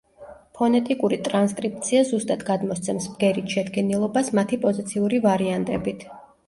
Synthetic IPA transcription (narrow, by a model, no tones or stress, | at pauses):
pʰɔnɛt̪ʼikʼuɾit̪ʼɾanskʼɾip̚t̪sʰiazust̪ʼad̪ɡad̪mɔst̪sʰɛmsbɡɛɾit̪ʰʃɛd̪ɡɛnilˠɔbasmat̪ʰipʼɔzit̪sʰiuɾivaɾiant̪ʼɛbit̪ʰ